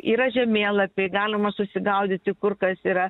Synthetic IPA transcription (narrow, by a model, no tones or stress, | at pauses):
iːɾɐʒʲɛmʲeːlˠɐpʲeɡɑːlʲɪmɐsʊsʲɪɡɐʊd̪ʲɪt̪ʲɪkʊrkɐsiːɾɐ